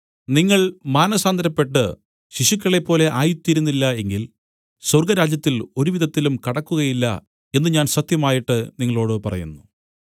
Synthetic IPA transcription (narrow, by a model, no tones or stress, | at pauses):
niŋːɐɭmaːnɐsaːnd̪ɐɾɐpːe̞ʈːɨ | ɕiɕukʲːɐɭe̞pːo̞ːle̞ʔaːjut̪ːiːɾunːilːɐe̞ŋɡil | swɐrɡɐɾaːd͡ʑjɐt̪ːilo̞ɾuʋiðʱɐt̪ːilumkɐɽɐkːuɣɐjilːɐ̰ | e̞nːɨɲaːnsɐt̪jɐmaːjiʈːɨniŋːɐɭo̞ːɽɨpɐrɐ̰jṵnːu